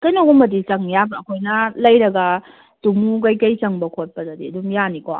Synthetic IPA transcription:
kɐjnoɡɔmɐdit͡ʃɐŋjabɐkʰojnɐlɐjɾɐɡɐ | tumuɡɐjkɐjt͡ʃɐŋbɐkʰot̚pɐdɐdiɐdumjanikoa̰

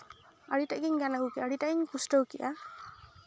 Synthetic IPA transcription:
aɽitaʔɡiɲɡanaɦukiʔaɽitaʔɡiɲpusʈɔwkiʔa

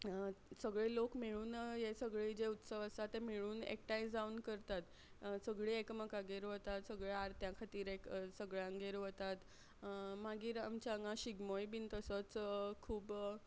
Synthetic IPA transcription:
səɡɭelokmiɭuːnjesəɡɭed͡ʑeut̪səʋəsat̪emiɭuːnḛk̚ʈajd͡zd͡zauːnkəɾt̪at̪ | səɡɭeekməkaɡeɾʋot̪at̪səɡɭeaɾt̪jãkʰat̪iːɾeksəɡɭjãŋɡeɾʋot̪at̪ | maɡiːɾamt͡ɕaəŋɡãɕiɡmojbiːnt̪əsət͡skʰuːb

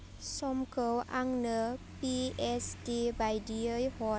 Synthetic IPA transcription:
sɔmkəwʔa̰ŋnəpiɛsdibajdiəjhɔ

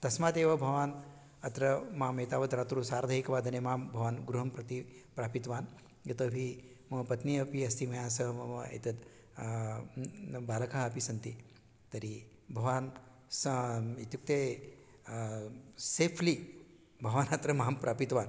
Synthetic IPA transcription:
t̪ɐsmaːd̪eːʋɐbʱɐʋaːn | ɐt̪ɾɐmaːmeːt̪aːʋɐd̪ɾaːt̪ɾusaːɾd̪ʱɐɦikɐʋaːd̪ɐnemaːmbʱɐʋaːnɡɾuɦɐmpɾɐt̪ipɾaːpit̪ʋaːn | jɐt̪ɐbʱi | mɐpɐt̪niɐpiɐst̪ʰimɐjaːs̬ɐɦɐmɐmɐḛt̪ɐd̪ | baːlɐkaɦɐpisɐnt̪i | t̪ɐɾi | bʱɐʋaːn | sit̪juk̚t̪eː | seːpʰli | bʱɐʋaːnɐt̪ɾɐmaːmpɾʔaːpit̪ʋaːn

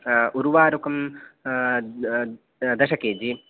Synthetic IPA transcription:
uɾuʋaːɾukɐm | d̪ɐʃɐkeːd͡ʒi

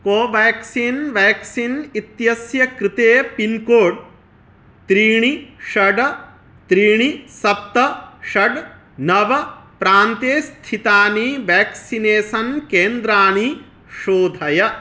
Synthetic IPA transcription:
koːʋaːksiːnʋɛːksinit̪jɐsjɐkɾɪt̪eːpinkoːɖ | t̪ɾiːɳiʃɐɖɐ | t̪ɾiːɳisɐp̚t̪ɐʃɐɖ | nɐʋɐpɾaːnt̪eːst̪ʰit̪aːniʋɛːksineːsɐnkeːnd̪ɾaːni | ʃoːd̪ʱɐjɐ

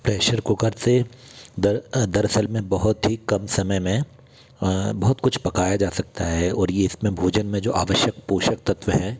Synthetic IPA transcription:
pɾeːʃəɾkokɐɾsed̪ɐɾd̪ɐɾɐsəlmẽbɐɦʊt̪ɦikɐmsɐməjmẽ | bɐɦʊt̪kʊt͡ʃʰpɐkaːjad͡ʒaːsɐk̚t̪aɦɛɔːɾjeɪsmẽbʱuːd͡ʒənmẽd͡ʒoːʔa̰ːʋəʃjəkpoːʃəkt̪ɐt̪ʋəɦɛː

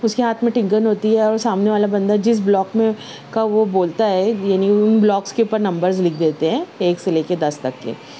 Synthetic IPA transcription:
ʊskeɦaːt̪ʰmẽʈɪ̃ŋkənɦoːt̪iɦɛɔːɾsaːmneʋaːlabɐ̃nd̪ad͡ʒɪs̬blɔːkmẽ | kaʋoboːlt̪aɦɛjaːniʊnblɔːkskeuːpəɾnɐ̃mbəɾzlɪkʰd̪eːt̪eɦɛ̃ːeːkseleːked̪ɐst̪ɐkːḛ

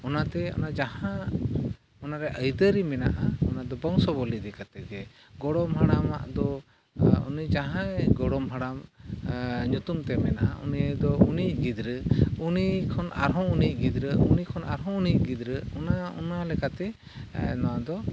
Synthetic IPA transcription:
ɔnat̪ɛɔ̰nad͡ʒahã | ɔnaɾɛʔəjd̪əɾimɛna̰ʔaɔnad̪ɔbəŋsɔbɔlid̪ɛkat̪ɛɡɛ | ɡɔɽɔmɦaɽama̰ʔd̪ɔ | ṵnid͡ʒaɦãɡɔɽɔmɦaɽam | ɲut̪umt̪ɛmɛnaʔaʔuniad̪ɔunic̚ɡid̪ɾəunikʰɔna̰ɾɦɔ̃unic̚ɡid̪ɾəunikʰɔnaɾɦɔ̃unic̚ɡid̪ɾəɔnaɔnalɛkat̪ɛ | nɔwad̪ɔ

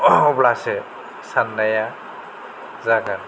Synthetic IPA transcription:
ɔblasɛ | sanːaja | zaɡan

